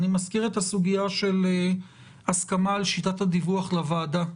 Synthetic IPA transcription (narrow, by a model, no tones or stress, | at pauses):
nimaskiʁet̪hasuɡijaʃe̞le | askamaːlʃitathad̪ivuaχlavaːda